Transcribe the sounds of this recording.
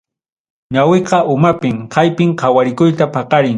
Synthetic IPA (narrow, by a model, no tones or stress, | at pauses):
ɲaweqɑʔʊmapɪmqʰajpɪŋqʰɑwaɾɪkʊjt̪apʰɑqɑɾɪŋ